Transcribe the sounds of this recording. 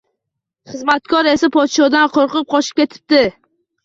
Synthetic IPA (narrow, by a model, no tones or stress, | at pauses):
χɨzmat̪̚kʰɒɾe̞sapʰɒt̪ʃɒd̪anqʰoɾqɨp̚qɒʃɪ̥p̚kʲʰe̞t̪ʰɪ̥p̚d̪ɪ